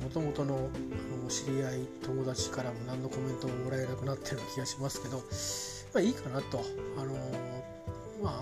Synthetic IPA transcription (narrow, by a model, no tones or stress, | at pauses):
mo̞t̪o̞mo̞t̪o̞no̞ano̞ɕiɾʲiait̪o̞mo̞d̪at͡ɕi̥kaɾamo̞nãnːo̞ko̞mẽ̞nt̪o̞mo̞moɾaenakɯ̟nat̪ʰːe̞ɾɯ̟kʲiɡaɕimasɨ̥ke̞d̪o̞ | maiːkanat̪o̞ano̞ | ma